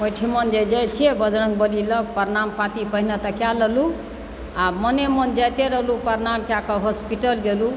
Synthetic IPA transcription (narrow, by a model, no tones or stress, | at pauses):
mojʈʰimʌnd͡ʒed͡ʒajt͡ʃʰiebʌd͡ʒnək̚bəlilʌk̚pəɾnampat̪ipəɦnʌt̪akjaləɦlu | amənemənd͡ʒajt̪eɾəɦlupəɾnamkjakɔɦospiʈəlɡelu